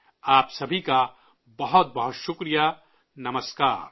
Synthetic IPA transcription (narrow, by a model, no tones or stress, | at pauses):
aːpsɐbʱika | bɐɦʊt̪̚bɐɦʊt̪ʃʊkɾija | nɐməskaːɾ